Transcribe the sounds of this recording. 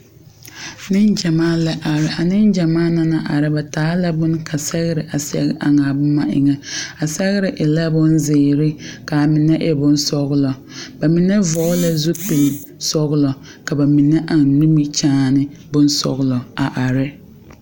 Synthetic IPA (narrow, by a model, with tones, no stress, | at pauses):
nɪ˦nd͡ʒa˨maː˦lɛ˨ʔa˨ɾɪ˨a˨nɪ˦nd͡ʒa˨maː˦na˦na˨ʔa˨ɾɪ˦ba˨taː˨˦la˦bʊ˦nkʰa˨sɛ˦ɣɪ˦ɾɪ˨ʔa˨sɛ̰˦ɣɪ˦ʔa˨ŋa˨bʊ˦ma˨ʔɪ̰˨ŋɛ˦a˨sɛ˦ɣɪ˦ɾɪ˨ʔɪ˨la˦bʊ˦nzɪː˨ɾɪ˦ka˨mɪ˨nɛ˦ʔɛ˦bʊ˦n˦sɔ˦ɣʊ˦lɔ˨ | ba˨mɪ˨nɛ˦vɔː˨˦la˦zu˦pi˨l | sɔ˦ɣʊ˦lɔ˨ | ka˨ba˨mɪ˨nɛ˦ʔa˨ŋnu˦mi˦t͡ʃaː˦nɪ˦bʊ˦n˦sɔ̰˨ɣlɔ˨a˨ʔa˨ɾɪ˦